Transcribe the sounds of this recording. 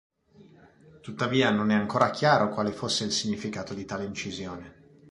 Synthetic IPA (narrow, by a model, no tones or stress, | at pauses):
t̪ut̪ːaviːanonɛaŋkoːɾak̟jaːɾokwaːlefosːeilsiɲːifikaːt̪od̪it̪aːleint͡ʃizjoːne